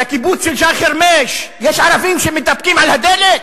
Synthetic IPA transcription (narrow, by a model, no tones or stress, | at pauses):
akibut͡sʃelʃaχeɾmeʃjeʃʕaɾavimʃemet̪ap̚kimʕalhad̪elet